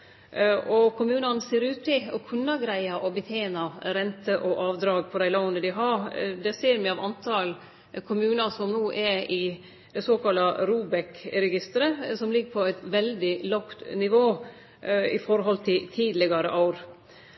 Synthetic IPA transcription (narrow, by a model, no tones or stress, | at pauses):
ʔɔkʰʊmʉːnɑnəseːɾʉːt̪ɪɔkʰʉnːɑɡɾæɪɑʔɔbət̪ʰjeːnɑɾɛnt̪ʰəʔɔʔɑːʋd̪ɾɑːɡ̚pʰɔd̪æɪlɑʊnəd̪ɪɦɑd̪ɛseːɾmɛɑʋɑnt̪ʰɑl | kʰʊmʉːnɑsɔmnuːʔɛɾɪ | d̪̥ɛsoːkɑlːɑɾuːbɛkɾɛɡɪst̪əɾəsɔmlɪɡːəpʰɔæɪt̪ʋɛld̪ɪlɑkt̪nɪʋoː | ɪ̰fɔɾɦɔlt̪ʰɪt̪ʰiːd̪lɪɡɑɾə̰ʔɑʊɾ